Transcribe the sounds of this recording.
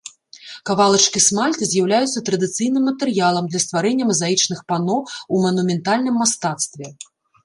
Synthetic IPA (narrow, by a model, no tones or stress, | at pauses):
kavalˠɐt͡ʂkʲismalʲt̪ɨzʲjawlʲajut̪sːɐt̪ɾɐd̪ɨt̪sɨjnɨmːɐt̪ɛɾjalˠɐmd̪lʲɐst̪vaɾɛnʲːɐmɐzait͡ʂnɨxpanɔumɐnumʲɛnt̪alʲnɨmːast̪at̪st̪vʲɛ